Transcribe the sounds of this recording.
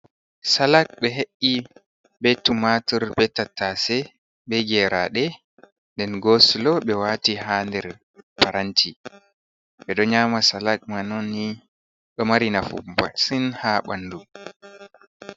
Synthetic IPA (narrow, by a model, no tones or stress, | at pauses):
salak̚bɛɦeʔːi | betːumatuɾbɛtːatːasɛ | bɛɡɛɾaɗɛ | ndɛnɡoslɔɓɛwaːtiɦaːndɛɾ | paɾantʰi | ɓɛɗɔɲaːmasalak̚manɔnːi | ɓɛmaɾinafṵba̰sinhaɓanːdu